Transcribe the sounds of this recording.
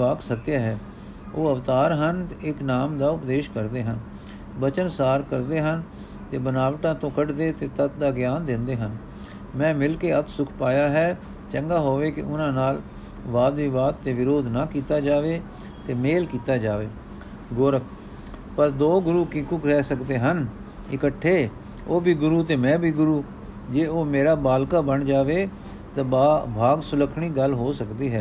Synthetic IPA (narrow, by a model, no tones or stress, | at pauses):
aːksət̪ːjaːɦɛː | oːəʋt̪aːɾɦənɪknaːmd̪aːʊpd̪eːʃkəɾd̪eːɦən | bət͡ʃənsaːɾkəɾd̪eːɦən | t̪eːbənaːʋʈãːt̪õːkəɖd̪eːt̪eːt̪ət̪d̪aːɡɪjaːnd̪ɪ̃nd̪eːɦən | mɛ̃ːmɪlkeːət̪sʊkʰpaːjaːɦɛː | t͡ʃəŋɡaːɦoːʋeːkɪ̰ʔʊnãːnaːl | ʋaːd̪iːʋaːd̪t̪eːʋɪɾoːd̪naːkiːt̪aːd͡ʒaːʋeː | t̪eːmeːlkiːt̪aːd͡ʒaːʋeː | ɡoːɾəkʰ | pəɾd̪oːɡʊɾuːkɪ̃kʊkɾɛːsəkd̪eːɦən | ɪkəʈʰːeː | oːbʱiːɡʊɾuːt̪eːmɛ̃ːbʱiːɡʊɾuː | d͡ʒeːoːmeːɾaːbaːlkaːbəɳd͡ʒaːʋeː | t̪ãːabʱaːɡsʊləkʰɳiːɡəlɦoːsəkd̪iːɦɛː